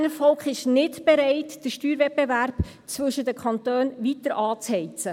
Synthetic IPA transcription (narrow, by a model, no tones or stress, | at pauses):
nəfɔlkχɪʃnɪtb̥eɾɛɪtd̥əʃtyːɾvɛt̚b̥evæɾb̥ | t͡sʋɵʃədəkʰχɑntøːnvitəɾʔɑːt͡shɛɪt͡sə